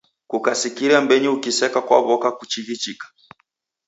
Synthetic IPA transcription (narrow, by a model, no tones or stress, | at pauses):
kukasikiɾambɛɲiukisɛkakwa̰βɔkakut͡ʃiɣit͡ʃikḁ